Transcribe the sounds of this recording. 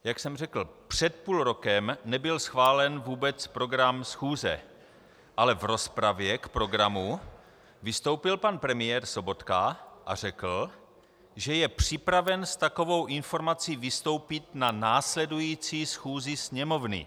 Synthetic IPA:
jaksɛmrɛkl̩pr̥ɛt̪̚puːlɾo̞kɛmnɛbɪlsxvaːlɛnvuːbɛt͡spɾo̞ɡɾamsxuːzɛ̰ | ʔalɛvɾo̞spɾavjɛkpɾo̞ɡɾamu | vɪst̪o̞wpɪlpanpɾɛmɪjɛːɾso̞bo̞t̪kaʔa̰r̝ɛkl̩ | ʒɛjɛpr̝̥ɪpɾavɛnst̪ako̞vo̞wʔɪnfo̞ɾmat͡siːvɪst̪o̞wpɪt̪nanaːslɛdujiːt͡siːsxuːzɪsɲɛmo̞vnɪ̰

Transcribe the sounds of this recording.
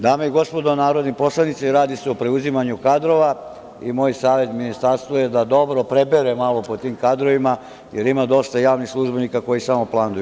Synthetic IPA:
d̪aːmeiɡo̞spo̞d̪o̞naːɾo̞d̪nipo̞slˠanit̪siɾaːd̪iseopɾe̞uzimaɲukad̪ɾo̞ʋa | ḭmo̞ːjsaːʋe̞t̪minist̪aɾst̪ʋojed̪ad̪o̞bɾo̞pɾe̞beɾemalˠopot̪iːmkad̪ɾo̞ʋima | je̞ɾimad̪o̞st̪ajaːʋnixslˠuʒbenikako̞jisamo̞plˠand̪uju

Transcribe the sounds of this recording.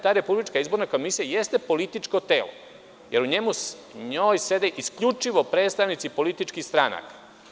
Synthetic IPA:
t̪aːɾe̞publit͡ʃkaizbo̞ɾnako̞misijajest̪e̞po̞lit̪it͡ʃko̞t̪e̞̰ːlo̰ | je̞ɾuɲe̞mu | ɲoːjse̞d̪eʔiskʎut͡ʂiʋo̞pɾe̞ːt̪st̪aʋnit̪sipo̞lit̪it͡ʃkixst̪ɾana̰kḁ

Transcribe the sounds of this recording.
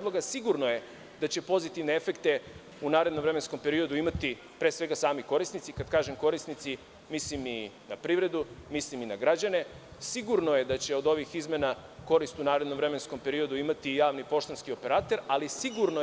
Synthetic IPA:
d̪loɡasiɡuɾnoje̞ | d̪at͡ɕe̞po̞zit̪iʋne̞efe̞kt̪e̞ | unaːɾe̞d̪nomvɾe̞mensko̞mpe̞ɾio̞d̪uimat̪i | pɾe̞ːsʋe̞ɡasaːmiko̞ɾisnit̪sikad̪kaːʒemko̞ɾisnit̪si | mislimi | napɾiʋɾe̞d̪umisliminaɡɾad͡ʑane̞ | siɡuɾnoje̞d̪at͡ɕe̞o̞d̪o̞ʋixizme̞na | ko̞ɾist̪unaːɾe̞d̪no̞mʋɾe̞me̞nskompe̞ɾio̞d̪uimat̪ijaːʋnipo̞ʃt̪onskio̞pe̞ɾaːt̪e̞ɾalisiɡuɾno

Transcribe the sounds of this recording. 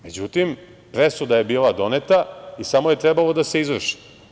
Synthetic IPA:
me̞d͡ʑut̪im | pɾesud̪aje̞biːlˠad̪o̞net̪aisamoje̞t̪ɾebalo̞d̪ase̞izʋr̩ʃi̥

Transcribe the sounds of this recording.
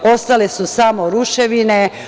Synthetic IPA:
o̞st̪alesusamoɾuʃeʋine

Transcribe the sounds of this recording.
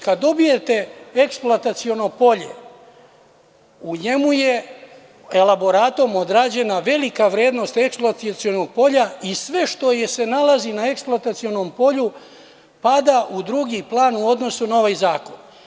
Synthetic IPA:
kad̪ːo̞bije̞t̪e̞eksplˠoat̪at̪sio̞no̞po̞ʎe̞̰ | uɲe̞muje̞ | e̞labo̞ɾaːt̪o̞mo̞d̪ɾaːd͡ʑe̞naʋe̞likaʋɾje̞ːd̪no̞st̪e̞ksplˠoat̪it̪sio̞noɡ̚po̞ʎaisʋe̞ʃt̪o̞jese̞nalazinae̞ksploat̪at̪sio̞no̞mpo̞ʎu | pad̪aʔud̪ɾuɡiplaːnuo̞d̪no̞sunao̞ʋajzaːko̞n

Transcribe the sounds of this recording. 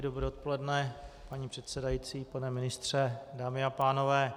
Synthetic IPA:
dobɾɛːot̪̚po̞lɛdnɛpaɲiːpr̥ɛt̪sɛdajit͡siːpanɛmɪnɪst̪r̝̥ɛdaːmɪapaːno̞vɛː

